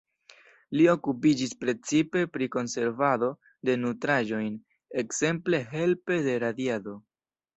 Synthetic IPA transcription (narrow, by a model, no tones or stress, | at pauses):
lio̞kupid͡ʒispɾe̞t͡sipe̞pɾiko̞nse̞ɾvado̞ | de̞nutɾaʒo̞jn | e̞kse̞mple̞ɦe̞lpe̞de̞ɾadiado̞